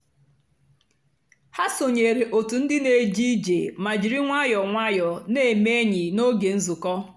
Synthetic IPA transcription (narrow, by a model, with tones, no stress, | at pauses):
ha˦so˨ɲe˨ɾe˨ʔo˨tu˨n̩˦dɪ˦ne˨d͡ʒi˦i˦d͡ʒḛ˨ma˨d͡ʒi˨ɾi˦ŋʷa˦jɔ˨ŋʷa˦jɔ˨ne˦˨me˦ɲɪ˨no˦ɡe˨n̩˦zʊ˨kɔ˦